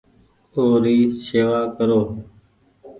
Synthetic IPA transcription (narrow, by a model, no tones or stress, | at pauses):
oːɾiːseːʋaːkəɾoː